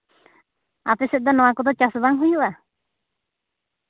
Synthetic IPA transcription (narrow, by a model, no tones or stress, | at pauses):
a̰t̪ɛsɛt̪̚d̪ɔnɔwakɔd̪ɔt͡ʃasbaŋɦujuʔa